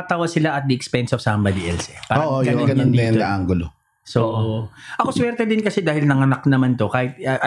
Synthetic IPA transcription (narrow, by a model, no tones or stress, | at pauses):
ɐt̪aːwɐsɪlaɐt̪̚d̪ɪɛkspɛnsofsɐmbad̪iʔɛlsɛpaːoɾɐːʔojɡɐoɡɐnonːɐjɐɐʔaŋɡolo | sooʔoʔɐkoswɛɾt̪ɛd̪ɪnkɐsɛd̪aːhɪlnɐŋɐnɐk̚nɐmant̪okaːhɪt̪̚ɐʔɐ